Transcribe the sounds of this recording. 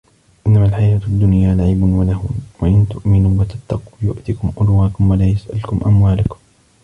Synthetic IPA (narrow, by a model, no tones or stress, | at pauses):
ʔɪnːamaːlħajaːt̪ad̪ːʊnjaːlaʕiːbʊnwalahʊːwaʔɪnt̪ʊʔmɪnuːwat̪at̪ːɑqjʊʔt̪ikʊmʔʊlwaːkʊmwalaːjasʔa̰lkʊmʔa̰mwaːlakʊ̥m